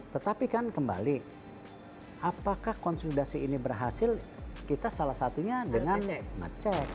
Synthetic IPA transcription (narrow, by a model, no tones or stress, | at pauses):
t̪ət̪apikankəmba̰li | ʔapakahkɔnsulidasiːnibərɦasɪlkit̪asalasat̪uɲadəŋanmə̰t͡ʃɛk̚